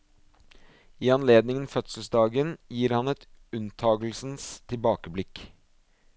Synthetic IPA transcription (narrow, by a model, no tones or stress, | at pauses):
iːɑnleːd̪nɪŋənfœt̪sl̩sd̪ɑːɡənjiːɾhɑnɛt̪ʉnt̪ʰɑːɡl̩sn̩st̪ʰɪlbɑːkəblɪk